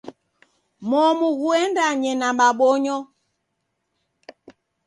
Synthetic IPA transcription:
mɔmuɣuɛndaɲɛnambaɓɔɲɔ

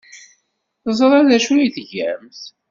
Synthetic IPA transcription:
θəzˤɾˤaðæʃuiθəʝæ̰mθ

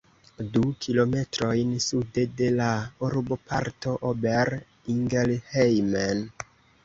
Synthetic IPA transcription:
dukʰilo̞me̞tɾo̞jnsudede̞lauɾbopʰa̰ɾto̞ʔobeɾ | iŋɡelhejmen

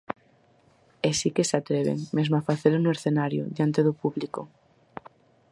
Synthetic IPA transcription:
esikesat̪ɾeβ̞ḛŋmezmoafaθeɾonueɾθenaɾjo̰ðjant̪eðopuβliko

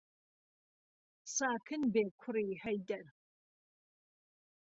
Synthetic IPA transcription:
saːkʰɨnbeːkʷʰʊɾiħɐjdɐr

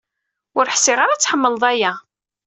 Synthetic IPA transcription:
ʊɾħsɪʁaɾat͡sːħəmːəlðˤæjæ

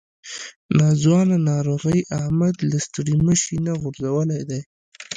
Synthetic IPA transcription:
nɑzwɑnanɑɾoɣəjʔahmad̪last̪ɽiməʃinaɣʊɾzawəlajd̪aj

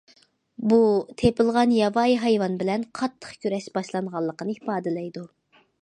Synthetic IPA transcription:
but̪ʰepɨlˠʁɑnjɑvɑjɦɑjwɑnbɪlɛnqʰɑt̪ʰːə̥χkʲʰyɾɛʃb̥ɑʃlˠɑnʁɑlˠːəqənɨipɑːd̪ɨlɛjd̪u

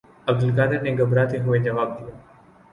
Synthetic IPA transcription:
ɐb̚d̪əlkaːd̪ɪɾneɡɐbɾaːt̪ʰeɦʊed͡ʒɐʋaːb̚d̪ijaː

